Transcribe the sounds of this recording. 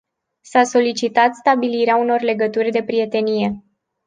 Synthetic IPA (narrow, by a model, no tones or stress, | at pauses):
saso̞lit͡ʃit̪at̪st̪abiliɾeauno̞rle̞ɡət̪urʲd̪e̞pɾije̞t̪e̞nije̞